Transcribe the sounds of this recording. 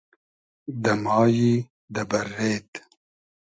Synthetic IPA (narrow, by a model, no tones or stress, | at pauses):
d̪ɐmɑːji | d̪ɐbɐɾeːt̪